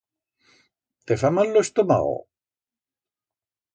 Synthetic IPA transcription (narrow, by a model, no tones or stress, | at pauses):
t̪efamalːost̪oma̰o̰